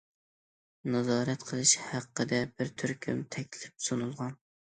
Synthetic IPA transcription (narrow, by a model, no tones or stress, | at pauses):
nɑzɑːɾɛt̪qʰəlˠɨʃhæqːəd̪ɛbɪɾt̪ʰyɾkʲʰymt̪ʰɛkʲlɪp̚sonulˠʁɑn